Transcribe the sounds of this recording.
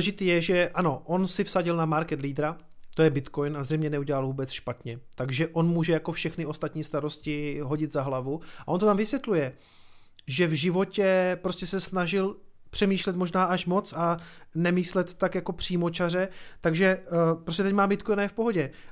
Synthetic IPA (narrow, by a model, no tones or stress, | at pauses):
ɛʒɪt̪iːjɛʒɛʔano̞ʔo̞nsɪfsaɟɪlnamaɾkɛt̪liːd̪ɾat̪ojɛbɪt̪kojnazrɛjmɲɛnɛuɟɛlalvuːbɛt͡sʃpat̪ɲɛt̪aɡʒɛʔo̞nmuːʒɛjako̞fʃɛxnɪʔo̞st̪at̪ɲiːst̪aɾo̞scɪɦo̞ɟɪd̪zaɦlavuaʔo̞nt̪ot̪amvɪsʋjɛt̪lujɛ | ʒɛvʒɪvo̞cɛpɾo̞scɛsɛsnaʒɪlpr̥ɛmiːʃlɛt̪moʒnaːʔaʃmo̞t͡sanɛmiːslɛt̪ːakjako̞pr̝̥iːmot͡ʃar̝ɛt̪aɡʒɛpɾos̬cɛt̪ɛcmaːmbɪt̪kojnajɛfpo̞ɦo̞ɟɛ